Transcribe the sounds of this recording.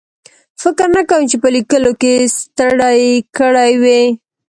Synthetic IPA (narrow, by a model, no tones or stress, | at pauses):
fɪkɾnakawəmt͡ʃepəlikəlokest̪əɽajkəɽajwe